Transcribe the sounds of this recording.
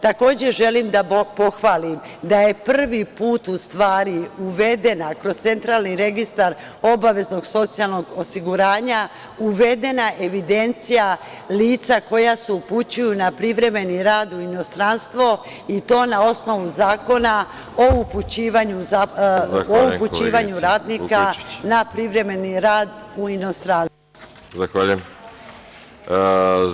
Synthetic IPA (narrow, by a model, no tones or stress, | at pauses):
t̪ako̞ːd͡ʑe̞ʒe̞limd̪apo̞xʋaːlim | d̪aje̞pr̩ʋipuːt̪ust̪ʋaːɾiuʋe̞d̪e̞nakɾo̞st̪se̞nt̪ɾaːlniɾe̞ɡist̪aɾ | o̞baʋe̞zno̞ɡso̞t̪sijalˠno̞ɡo̞siɡuɾaːɲa | uʋe̞d̪e̞naʔe̞ʋid̪e̞nt̪sija | liːt̪sako̞jaseuput͡ɕujunapɾiʋɾe̞me̞niɾaːd̪uino̞st̪ɾanst̪ʋo̞ | it̪o̞ːnao̞sno̞ʋuzaːko̞na | o̞uput͡ɕiːʋaɲua | ouput͡ɕiːʋaɲuɾaːd̪nikkanapɾiʋɾe̞me̞niɾaːd̪uino̞st̪ɾanst̪o | zaxʋaʎujem